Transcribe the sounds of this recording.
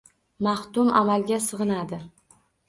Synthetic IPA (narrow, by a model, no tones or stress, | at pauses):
maχt̪ʊmamalˠɡʲasɨʁɨnad̪ɪ